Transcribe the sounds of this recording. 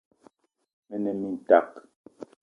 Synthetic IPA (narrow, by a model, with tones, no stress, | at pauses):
mɛ˦nɛ˨mi˦n̩˨ta˨k